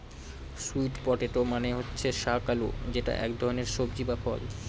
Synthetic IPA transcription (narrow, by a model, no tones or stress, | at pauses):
suiʈpɔʈeʈomaneɦotːɕʰeʃakalṵd͡ʑeʈa̰ʔɛ̰kd̪ʱɔɾoneɾʃobd͡ʑibafɔ̰l